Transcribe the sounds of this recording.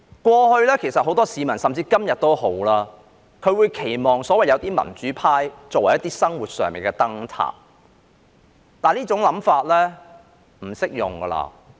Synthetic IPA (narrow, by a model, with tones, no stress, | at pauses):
kʷɔː˧hɵ˧ɥlɛː˥kʰe˨˩jsɐ˨t̚ho˨˥wt̪ɔː˥siː˨˧mɐ˨˩nsɐ˨mt͡siː˧kɐ˥mjɐ˨t̚t̪o˥wɦo˨˥wlaː˧ | kʰɵ˨˧ɥwuː˨˧jkʰe˨˩jmɔː˨˩ŋsɔː˨˥wɐ˨˩jɐ˨˧wt̪iː˥mɐ̰˨˩nt͡ʃyː˨˥pʰaː˥jt͡sɔː˨kwɐ˨˩jːɐ˥t̪iː˥sɐ˥ŋwuː˨t̚sœː˨ŋmḭː˨nkɛ˧t̪ɐ˥ŋt̪ʰa̰ː˨p̚ | t̪aː˨niː˥t͡ʃʊ˨˥ŋlɐ˨˥mfaː˧t̚lɛː˥ | m̩˨˩sɪ˥k̚jʊ̰˨˩ŋɡɐː˧la̰ː˧